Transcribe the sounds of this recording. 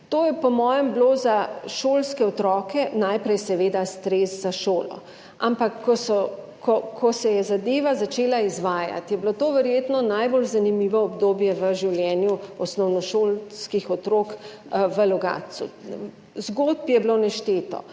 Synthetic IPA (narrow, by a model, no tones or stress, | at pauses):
t̪oːjɛpɔmɔːjɛmblozaʃoːlskɛɔt̪ɾɔːkɛnajpɾɛjsɛʋeːd̪ast̪ɾeːzzaʃoːlɔ̰ | ampakːɔsɔ | kɔkʰɔsɛjɛzad̪eːʋazat͡ʃeːlaizʋaːja̰t̪jɛblot̪oːʋəɾjet̪nɔnajbolzanimiʋɔːbd̪oːbjɛʋəʒiwljɛːnjuɔsnɔwnɔʃoːlskixɔt̪ɾoːk | ʋəlɔɡa̰ːsṵ | zɡot̪̚pjɛblonɛʃt̪eːt̪ɔ̰